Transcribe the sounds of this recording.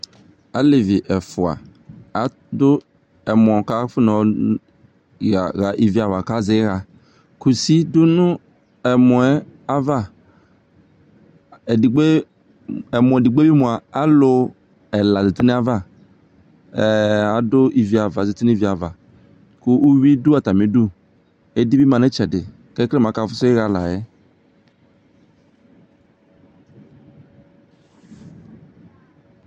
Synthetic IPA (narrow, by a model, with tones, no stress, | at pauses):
a˨lɪ˨vɪ˨ʔɛ˨fʊ˨a̰˨ | a˨˦ | dʊ˦ | ɛ˨m˨ɔ̃˨ka˦fʊ˦nɔ˨ | ɣa˨ɣa˨ʔi˨vi˨˦a˨va˨ka˦zɪ˦ɣa˨ | ku˨si˦dʊ˦nʊ̃˦ | ɛ˨mɔ˨ɛ˦a˦va˦ | ɛ˨di˨ɡ͡be˦ | ɛ˨mʊ˨ɛ˨di˨ɡ͡be˦bi˦mõ˨a˨a˦lʊ˨ | ɛ˨la˨zi˨t̪i˦ne˦a˦va˦˨ | a˨dʊ˦ʔi˨vi˨a˨va˨zi˨ti˦ni˦i˨vi˨a˨va˨ | kʊ˦ʔu˦wi˦du˦a˨t̪a˨mi˨˦du˦ | e˦di˦bi˦mã˨ne˦t͡ʃɛ˨dɪ˨ | kɛ˦klɛ˦m˨ã˨˦ka˨fʊ˦se˦ɣa˨la̰˨jɛ˦